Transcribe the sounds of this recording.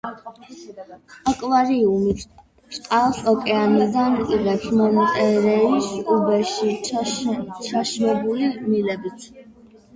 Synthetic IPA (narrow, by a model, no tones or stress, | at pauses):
akʼvaɾiumit̪ʰ | sʼq̪ʼalˠsɔkʼɛanid̪anʼiʁɛpsmɔnat̪ʼɛɾɛisubɛʃi | t͡ʃʰaʃmɛbulimilɛbit̪ʰ